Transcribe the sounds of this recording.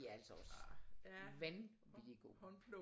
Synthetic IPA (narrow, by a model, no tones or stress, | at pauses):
eæɐæl̰sɒɒ̽s | ʋæn | ʋiliɡ̥o̝̰ːl